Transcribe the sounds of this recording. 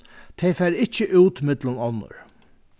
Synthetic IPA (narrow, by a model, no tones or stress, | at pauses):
t̪ʰɛjfæːɾɪht͡ɕəʔuːt̪mɪt̪lʊnɔnːʊ̰ɹ